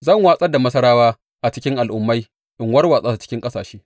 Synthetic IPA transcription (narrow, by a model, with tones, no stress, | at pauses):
zɐ˦˨ŋwaː˦sʼɐ˦rda˨mɐ˦sɐ˦ɾaː˦waː˦ | ʔa˨t͡ʃɪ˦kʲɪ˦ŋʔa˨lʔʊ˨mːa˦j | ʔɪ˨ŋwɐ˦rwaː˨sʼaː˦sa˨t͡ʃɪ̥˦kʲɪ˦ŋkʼɐ˦saː˨ʃeː˦